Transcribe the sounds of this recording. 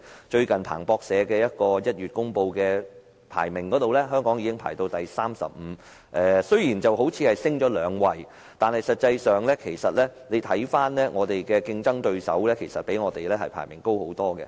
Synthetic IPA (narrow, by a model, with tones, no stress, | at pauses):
t͡ʃɵ˧ɥkɐ˨npʰa̰ː˨˩ŋpɔː˧k̚sɛː˨˧kɛː˧jɐ˥t̚kɔː˧jɐ˥t̚jyː˨˩t̚kʊ˥ŋpo˧wkɛː˧ | pʰa̰ː˨˩jmɪ˨˩ŋkɔ˨˥t̪o˨wlɛː˥ɦœː˥ŋkɔː˨˥ŋjiː˧kɪ˥ŋpʰa̰ː˨˩jt̪o˧wt̪ɐ˨jsaː˥msɐ̰˨p̚m̩ː˨˧ | ʔɛː˨sɵ˥ɥjiː˨˩nt͡sɐ˨wɦo˨˥wt͡sʰiː˨˧hɐ˨jsɪ˥ŋt͡ʃɔː˨˥lœː˨˧ŋwɐ˨j | t̪aː˨nhɐ˨jsɐ˨t̚t͡sɐ˧jsœː˨ŋlɛː˥kʰe˨˩jsɐ˨t̚lɛː˥ne˨˧jt̪ʰɐ˨˥jfaː˥nlɛː˥ŋɔː˨˧t̪e˨jkɛː˧kɪ˧ŋt͡sɐ˥ŋt̪ɵ˧ɥsɐ̰˨˥wlɛː˥kʰe˨˩sɐ˨t̚pe˨˥jŋɔː˨˧t̪e˨jlɛː˥hɐ˨jpʰa̰ː˨˩jmɪ˨˩ŋko˥who˨˥wt̪ɔː˥kɡɛ̰˧